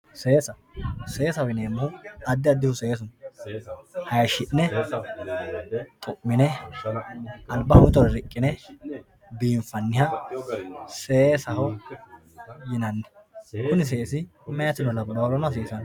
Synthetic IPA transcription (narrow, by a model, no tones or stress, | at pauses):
se̞ːsɐ | se̞ːsɐwɪneːmːʊhʊɐd̪ːɪɐd̪ːɪhʊse̞ːs̬ʊn | hɐjʃɪʔnɛ | t̪ʼʊʔːɪnɛ | ɐlbɐhɐmʊt̪ɔɾɾɪkʼːɪnɛ | biːmfɐnːɪhɐ | seːsɐhɔ | jɪnɐnːɛkʊnɪs̬eːsɪmɛjɐt̪ɪnɔlɐbbɐwɾɔnɐs̬eːsɐn